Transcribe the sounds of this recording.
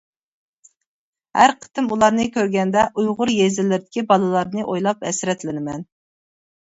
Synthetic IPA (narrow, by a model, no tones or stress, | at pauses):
hæ̰ɾqʰə̥t̪ɪmulˠɑɾnɨkʲøɾɡʲɛnd̪ɛʔujʁʊɾjezɪlːɪɾɪd̪ɪkʲibɑlˠɨlˠɑɾnɨʔojlˠɑpɛ̰sɾɛt̪lɪnɪmɛn